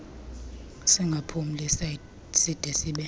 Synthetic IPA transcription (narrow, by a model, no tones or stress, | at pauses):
siŋɡʱapʰum̩lɛs | sid̥ʱɛsiːɓɛ